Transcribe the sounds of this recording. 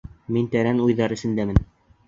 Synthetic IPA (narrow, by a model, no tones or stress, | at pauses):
mint̪æɾænujðɑɾɘ̆sɘ̆nd̪æmɘn